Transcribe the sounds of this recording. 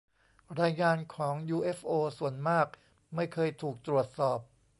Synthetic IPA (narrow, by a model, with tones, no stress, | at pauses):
ɾaː˧jŋaː˧nkʰɔː˩˦ŋjuː˧ʔe˦˥fʔoː˧su˨˩ənmaː˥˩k̚ | ma˥˩jkʰɤː˧jt̪ʰuː˨˩k̚t̪ɾu˨˩ət̪̚sɔː˨˩p̚